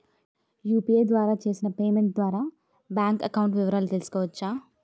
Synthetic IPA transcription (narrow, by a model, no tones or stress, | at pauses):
juːpieːd̪ʋaːɾaːt͡ʃe̞ːsinɐpe̞ːmeɳʈ̚d̪ʋaːɾaː | bjaːŋkɐkɐwɳʈʋiʋɐɾaːlut̪elsu̥kɔːʋɐt͡ʃːaː